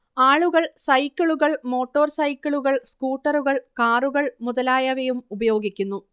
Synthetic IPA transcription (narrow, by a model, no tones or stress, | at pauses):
aːɭuɣɐɭsɐjkʲːɐɭuɣɐɭmo̞ːʈːo̞ːrsɐjkʲːɐɭuɣɐɭskuːʈːɐruɣɐɭkaːruɣɐɭmuðɐlaːjɐʋejumubɐjo̞ːɡikʲːunːu